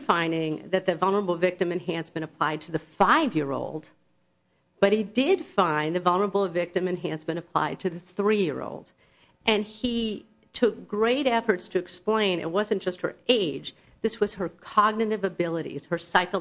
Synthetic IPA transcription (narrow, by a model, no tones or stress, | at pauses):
fãɪ̃ndɪ̃ŋðɨt̪̚ðɨvʌlˠnə˞əbl̩ˠvɪk̚tɨ̃mɨ̃nɦæ̃nsmɨ̃ɾ̃əpʰl̥a̰ɪd̚tʰɨðɨfaɪvjɪɹo̰ʊlˠd̥ | b̥ʌt̚hidɪd̥fãɪ̃nðɨvʌlˠnə˞əbl̩ˠʌvɪk̚tɨ̃mɨ̃nɦæ̃nsmɨ̃ɾ̃ɨpʰl̥a̰ɪd̚tʰɨðɨθɹijɪ̰ɹo̰ʊlˠd | ʔɨ̃ni | tʰʊk̚ɡ̥ɹeɪɾɛfə˞tstʰɨɨksplẽɪ̃nɨ̰t̚wʌzɨ̃n̩d̥ʒ̥ʌst̚hə̰˞eɪ̥d͡ʒ | ðɪswʌz̥ə˞kʰɑɡ̚nɨɾɨvɨbɪlˠəɾḭz̥hə˞saɪkl̩ˠ